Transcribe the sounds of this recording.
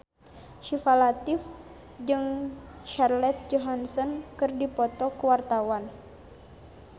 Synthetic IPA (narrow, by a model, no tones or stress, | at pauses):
ʃifalat̪if | d͡ʒɨŋʃarlɛt̪̚d͡ʒɔɦansɔnkɨrdipɔt̪ɔkəwart̪awan